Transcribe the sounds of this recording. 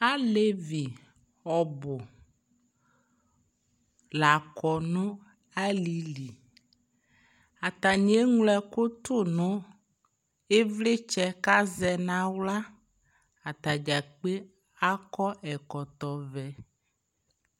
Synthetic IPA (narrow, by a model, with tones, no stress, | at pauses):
a˦le˦vi˨ | ɔ˨bo˨ | la˨kɔ˨nõ˦ | a˦li˨li˨ | a˨t̪a˨ɲ˦e˦ŋlɛ˦ko˦t̪o˦nõ˦ | e˦vle˦t͡ʃɛ˦ka˦zɛ˨nã˦wla˦ | a˨t̪a˨d͡ʒa˨k͡pe˦ | a˦kɔ˦ʔɛ˨kɔ˨t̪ɔ˨vɛ˨